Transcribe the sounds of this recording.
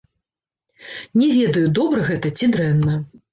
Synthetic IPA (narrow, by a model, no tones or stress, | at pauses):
nʲɛvʲɛd̪ɐjud̪ɔbɾɐɣɛt̪ɐt͡sʲid̪ɾɛnːɐ